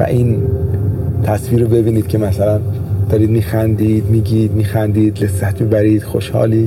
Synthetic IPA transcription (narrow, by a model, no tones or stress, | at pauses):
væ̰ʔiːn | t̪ʰæsviːɾobe̞biːniːd̪̥kcʰemæsælænd̪̥ɒːɾiːd̪miːxænd̪iːd̪miːɟiːd̪miːxænd̪iːd̪lesːæt̪mibæɾiːd̪̥xo̰ʃhɒ̰ːliː